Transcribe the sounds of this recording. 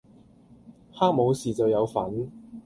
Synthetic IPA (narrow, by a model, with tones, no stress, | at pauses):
haː˥k̚mo˨˧wsiː˨t͡sɐ˨wjɐ˨˧wfɐ˨˥n